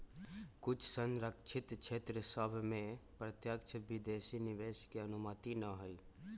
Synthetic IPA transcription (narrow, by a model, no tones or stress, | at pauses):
kʊt͡ʃʰsənɾəkt͡ʃʰɪt̪t͡ʃʰeːt̪ɾəsəbʱmẽ | pɾət̪jək̚t͡ʃʰəbʱid̪eːsinɪʋeːʃkeɐnʊmət̪inəɦoiː